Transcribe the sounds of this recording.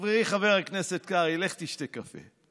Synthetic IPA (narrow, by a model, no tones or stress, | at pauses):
vʁeχavɛʁaknɛsɛt̚kaʁilɛχtiʃtekːafḛ